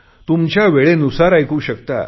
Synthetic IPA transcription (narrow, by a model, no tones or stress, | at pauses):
t̪umt͡ɕjaʋeɭenusaɾajkuːɕəkt̪a̰